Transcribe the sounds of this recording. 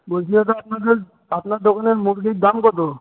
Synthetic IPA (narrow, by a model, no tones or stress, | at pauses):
bosʰiɔt̪oap̚nad̪eɾ | apnaɾd̪ɔkʰaneɾmuʈɡid̪amkɔt̪o